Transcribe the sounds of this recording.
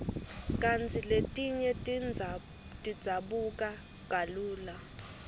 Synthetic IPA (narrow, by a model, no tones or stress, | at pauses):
kʼant͡sʰʼiletʼiɲɛ | tʼid̥z̥ʱaɓukʼa | ɡ̥ʱaluːla